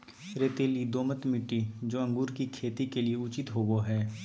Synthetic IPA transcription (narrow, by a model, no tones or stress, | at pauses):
ɾet̪eːlid̪oːmət̪mɪʈːid͡ʒoːɐ̃ŋɡuːɾkikʰeːt̪ikelieʊt͡ʃɪt̪ɦoːɡoɦɛː